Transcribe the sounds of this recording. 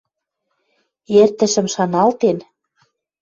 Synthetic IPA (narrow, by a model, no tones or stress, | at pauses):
ert̪ə̆ʃə̆mʃɑnɑlt̪en